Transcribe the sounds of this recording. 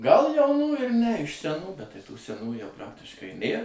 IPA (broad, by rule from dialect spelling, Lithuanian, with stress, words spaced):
ɡɐlˠ jɛʊˈnuː ɪr nʲɛ ɪʃ sʲɛˈnuː bʲɛt tɐɪ ˈtuː sʲɛˈnuː jɛʊ ˈprɑːktʲɪʃkɐɪ ˈnʲeːr